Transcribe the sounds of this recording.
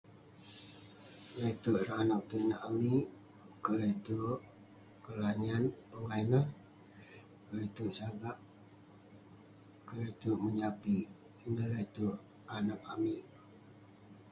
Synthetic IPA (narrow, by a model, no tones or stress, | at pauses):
lət̪uʔɾanak̚t̪unaʔamiʔ | kəlet̪uʔ | kəlanianpəŋainəh | kəlet̪uʔsaɡaʔ | kəlet̪uʔməɲapi | nələt̪uʔ | anak̚amiʔ